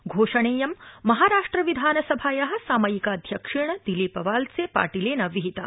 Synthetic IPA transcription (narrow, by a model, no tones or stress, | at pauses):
ɡʱoːʂɐɳeːjɐmːɐɦaːɾaːʂʈɾɐʋid̪ʱaːnɐsɐbʱaːjɐɦɐ̆saːmɐjikaːd̪ʱjɐkʂeɳ̃ɐd̪ilipɐʋaːlsepa̰ːʈileːnɐʋiɦit̪a̰ː